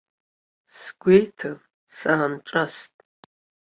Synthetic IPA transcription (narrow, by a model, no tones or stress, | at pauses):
sɡ̥ʷejtʰɨ | saanʈ͡ʂʼastʼ